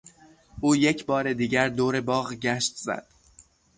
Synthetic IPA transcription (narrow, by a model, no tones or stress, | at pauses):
ʔuːje̞cʰbɒːɾe̞d̪iːɟæɾd̪oːɾe̞bɒːɣɟæʃt̪z̥æ̰d̪̥